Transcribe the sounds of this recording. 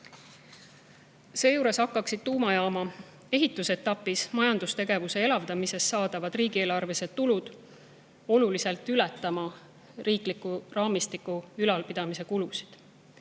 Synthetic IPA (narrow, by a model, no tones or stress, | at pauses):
se̞ːjuːɾe̞sɑkːˑɑksid̪̥̚t̪uːmɑjɑːmɑ | e̞ɦit̪ːˑuse̞t̪ːɑpːˑismɑjɑnd̪̥ust̪e̞ɡ̥e̞vuse̞e̞lɑvd̪ɑmise̞sːɑːd̪̥ɑvɑd̪̥riːɡ̥ie̞ːlɑrve̞se̞d̪̥t̪ːulud̪̥ | o̞lulise̞lt̪ːˑylɛt̪ˑːɑmɑ | riːklikːˑurɑːmist̪ikːˑuylɑlpid̪̥ɑmise̞kulusi̥d̪̥